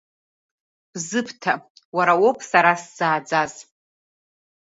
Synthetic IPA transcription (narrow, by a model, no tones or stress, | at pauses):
b̥zɨpʰtʰa | waɾawopʼʰsaɾasz̥aːd͡zaz